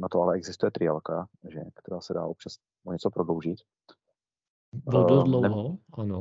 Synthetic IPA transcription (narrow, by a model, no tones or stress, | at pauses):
nat̪oalɛɛɡzɪst̪ujɛt̪ɾɪalkaʒɛkt̪ɛɾaːsɛda̰ːʔop̚t͡ʃas | ʔoɲɛt͡sopɾodlowʒɪt̪ | bododlonɛɦoano